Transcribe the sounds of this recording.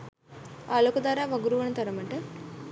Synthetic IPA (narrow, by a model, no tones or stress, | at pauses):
alokud̪aːɾaːʋɐɡuɾuʋɐɳɐt̪ɐɾɐmɐɳʈe